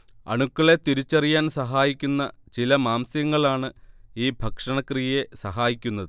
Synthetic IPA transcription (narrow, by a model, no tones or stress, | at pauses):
ɐ̰ɳukːɐɭe̞t̪iɾit͡ɕːɐrijaːnsɐɦaːjikʲːunːɐ̰t͡ɕilɐmaːmsjɐŋːɐɭaːɳɨiːbʱɐkʂɐɳɐkrijje̞sɐɦaːjikʲːunːɐðɨ